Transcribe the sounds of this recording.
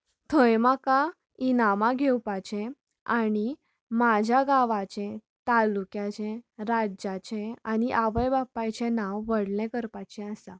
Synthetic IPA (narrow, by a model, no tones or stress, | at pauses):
t̪ʰəjmaka | inamaɡʱewpat͡ɕɛ̃ | aɽ̃i | mad͡ʑʱjaɡaʋat͡ɕɛ̃ | t̪alukjat͡ɕɛ̃ɾaat͡ɕɛ̃añiʔaʋəjbapːajt͡ɕɛ̃nãwːəɽlɛkəɾpat͡ɕɛ̃asã